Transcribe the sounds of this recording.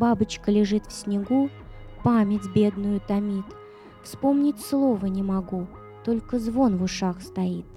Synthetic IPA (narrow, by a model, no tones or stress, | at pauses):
babɨt͡ɕkəlʲɪʐɨt̪fsʲnʲɪɡu | pamʲɪtʲbʲe̞d̪nʊjʊt̪ɐmʲit̪ | fspo̞mnʲɪtʲslˠo̞vənʲɪmɐɡu | t̪o̞lʲkəzvo̞nvʊʂaxst̪ɐit̪̚